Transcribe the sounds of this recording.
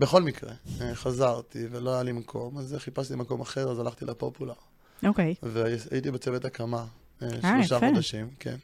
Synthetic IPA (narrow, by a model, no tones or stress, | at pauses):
beχo̞lmikʁeχazaʁt̪ivelo̞ajalimakʰo̞mazeχipastimako̞maχe̞ʁazalaχt̪ilapopulaʁ | okejveaa̰jit̪̬ibet͡sevet̪akama | eloʃaχod̪aʃimkʰḛn